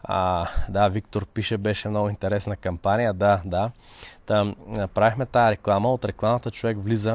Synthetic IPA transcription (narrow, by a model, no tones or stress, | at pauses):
ad̪avik̚t̪oɾpiʃɛbɛʃɛmnɔɡʊint̪ɛɾɛsnɐkɐmpanijəd̪ad̪a | t̪apɾavixmɛt̪aəɾɛklˠaməot̪ɾɛklˠamət̪ət͡ʃovɛkvlizə